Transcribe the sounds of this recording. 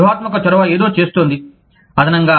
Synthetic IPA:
ɦaːt̪mɐk̬ɐt͡ʃɔɾɐʋae̞ːd̪o̞ːt͡ʃe̞ːst̪oːnd̪i | ɐd̪ɐnɐŋɡaː

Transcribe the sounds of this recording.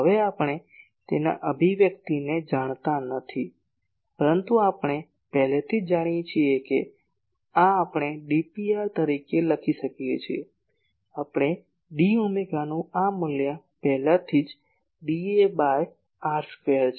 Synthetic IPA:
ɦəʋeapəɽ̃e | t̪ena̰ʔəbʱiʋjəkt̪ined͡ʒaɳ̃t̪anət̪ʰi | pəɾənt̪uapɽ̃e | pɛɦlet̪ʰid͡ʒd͡ʒaɽ̃jet͡ʃʰieke | aːpɽ̃eɖipiaɾt̪əɾikeləkʰiʃəkijet͡ʃʰie | apɳ̃e | ɖiumeɡanũamulja | pɛɦlat̪ʰid͡ʒ | ɖiebaj | aɾffeɾt͡ʃ

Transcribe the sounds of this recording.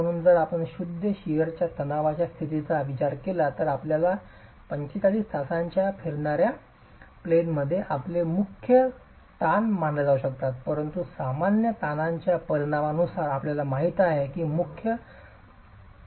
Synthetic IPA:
əɽ̃uːnd͡zəɾapəɳɕud̪ʱːəɕijəɾt͡ɕjat̪ʰənaʋat͡ɕjast̪ʰit̪it͡saʋit͡ɕaɾkelat̪əɾapljala | pəɲt͡ɕet͡saliːst̪ʰasaɲt͡ɕjafeɾɳaɾja | plenməd̪ʱːjeʔaplemukʰjə | t̪anmaɳɖləd͡zauɕəkt̪at̪pəɾənt̪usamanjət̪anaɲt͡ɕjapəɾiɽ̃aʋanusaɾapljalamaɦit̪aɦekiːmukʰjə

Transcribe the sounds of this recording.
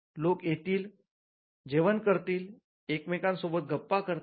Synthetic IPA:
lokjet̪iːl | d͡ʑeʋənkəɾt̪iːl | ekmekãnsobət̪̚ɡʱəpːakəɾ

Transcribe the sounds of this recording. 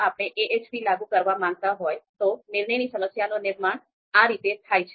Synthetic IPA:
apəɽ̃eʔeʔet͡ʃpilaɡũkəɾʋamãŋɡ̚t̪aɦojt̪onɪɾɳəjnisəməsjanonɪɾmaɳ | aɾit̪et̪ʰajt͡ʃʰe

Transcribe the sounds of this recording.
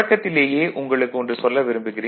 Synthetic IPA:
ɐkːɐt̪ːɪleːjeːʔʔʊŋɡɐɭɯkːɯɔndrɯsɔlːɐʋɪɾɯmbɯɣɪriː

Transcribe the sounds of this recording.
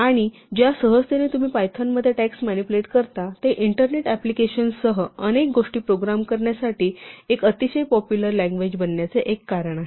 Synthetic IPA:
aɽ̃i | d͡ʑjasəɦəst̪enet̪um̤iːpajt̪ʰamːəd̪ʱːjeʈæksmænipuleʈkəɾt̪at̪eʔiɳʈəɾneʈæplikeɕənsəɦəənek̚ɡoʂʈiːpɾoɡɾamkəɾɳjasaʈiːekət̪iɕəjpɔpjuləɾlaæ̃ŋɡʋed͡ʑbənːjat͡seʔekːaɾəɽ̃aɦe

